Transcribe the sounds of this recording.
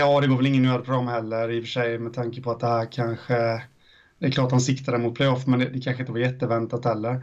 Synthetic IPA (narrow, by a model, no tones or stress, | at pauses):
jɑːd̪ɛɡoːɾvɛlɪŋːənøːɾpʰɾʊɡamːhɛlːəɾɪfœʂɛjmɛd̪t̪ʰaŋkəpʰɔat̪̚d̪ɛhæːɾkʰanɧə | d̪ɛɛklɑːʈat̪hansɪkt̪ad̪əmʊt̪̚pʰlɛjɔfmɛnd̪ɛd̪ɛkʰanɧəɪnt̪əvaɾjɛt̪ːəvɛnt̪at̪hɛlːəɾ